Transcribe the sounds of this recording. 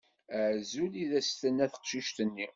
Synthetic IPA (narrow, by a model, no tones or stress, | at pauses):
əʕzuliðæst̪ənːæθə̥qʃiʃt̪ənːi